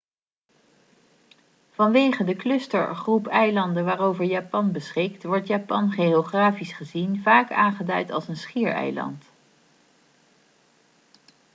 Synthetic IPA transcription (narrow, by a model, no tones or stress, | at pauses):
v̥ɑnʋejχəndəklɵstəɹχrupɛjlɑndəʋaːrowvəɹjaːpɑnbəsχɪk̚tʋɔɹtjaːpɑnχeoχraːfisχəzinvaːka̰ːnχədœɥtɑ̰lˠsənsχiːɹɛ̰jlɑ̰nt